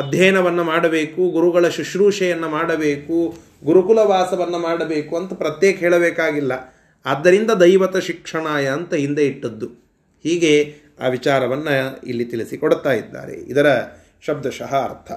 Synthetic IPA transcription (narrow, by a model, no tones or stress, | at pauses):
ɐd̪ʱjɐːnɐʋɐnːɐmaːɽɐbeːkuɡuɾuɡɐɭɐʃiʃɾuːʂɐjɐnːɐmaːɽɐbeːku | ɡuɾukulɐʋaːsɐʋɐnːɐmaːɽɐbeːkuɐnt̪ɐpɾɐt̪jɛːkɐɦɛːɭɐbɛːkaːɡilːɐː | d̪ːɐɾind̪ɐd̪ɐjʋɐt̪ɐʃikʂɐɳaːjɐːnt̪ɐɦind̪eiʈːɐd̪ːu | hiːɡe̞ | a̰ːʋit͡ʃaːɾɐʋɐnːɐḭlːit̪iɭisikoɽt̪aːjid̪ːa̰ːɾḛid̪ɐɾɐ | ʃɐb̚d̪ʱɐʃɐɦɐ̰ːɾt̪ʰɐ